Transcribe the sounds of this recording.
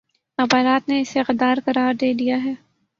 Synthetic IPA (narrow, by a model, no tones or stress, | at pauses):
ɐbaːɾaːt̪neɪsexɪd̪aːɾkɐɾaːɾd̪eːd̪ijaɦɛː